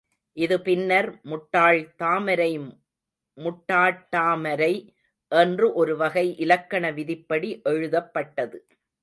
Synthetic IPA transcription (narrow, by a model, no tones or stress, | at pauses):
ʔɪðɯpɪnːɐɾmʊʈːaːɭt̪aːmɐɾɐɪ | mʊʈːaːʈːaːmɐɾɐɪ | ʔɛndrɯʔɔɾɯʋɐɣɐɪʔɪlɐkːɐɳɐʋɪðɪpːɐɽiʔɛɻɯðɐpːɐʈːɐðɯ